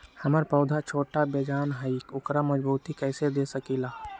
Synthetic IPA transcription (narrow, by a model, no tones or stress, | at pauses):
hɐməɾpəʊd̪ʱat͡ʃʰoːʈabeːd͡ʒaːnɦəikʊkɾaməd͡ʒbuːt̪ikɛːsed̪eːsəkilaː